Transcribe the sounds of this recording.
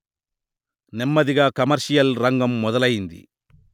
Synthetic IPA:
nɛmːɐðɪɣakɐmɐɾsɪjɐlɾɐŋɡɐmːɔðɐlɐjnd̪ḭ

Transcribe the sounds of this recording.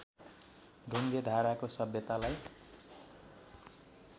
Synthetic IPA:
ɖʱuŋɡed̪ʱaɾakosʌbjʌt̪alaj

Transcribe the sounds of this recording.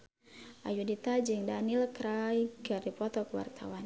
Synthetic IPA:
ʔa̰judit̪ad͡ʒiŋdanilkɾajɡardipɔt̪ɔkəwa̰rt̪ʰa̰wan

